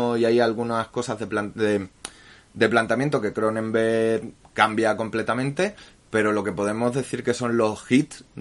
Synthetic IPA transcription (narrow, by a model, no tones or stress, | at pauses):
iajalɣunasko̞sazðepland̪e | d̪e̞plant̪amjent̪o̞ke̞kɾo̞nẽ̞mbe̞kambjako̞mple̞t̪amẽnt̪e̞ | pe̞ɾo̞lo̞ke̞po̞ðe̞mo̞zðe̞θiɾke̞so̞nlo̞sxit̪